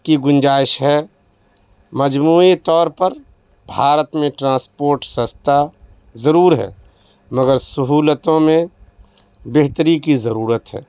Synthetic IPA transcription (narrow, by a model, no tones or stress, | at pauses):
kiɡʊ̃nd͡ʒaːɪʃɦɛ | məd͡ʒmuːit̪ɔːɾpəɾ | bʱaːɾət̪mẽʈɾãːspoːɾʈsə̃st̪ʰa | zəɾuːɾɦɛ̰ː | məɡəɾsəɦuːlət̪õmẽ | beɦt̪əɾikizɐɾuːɾət̪ɦɛ̰ː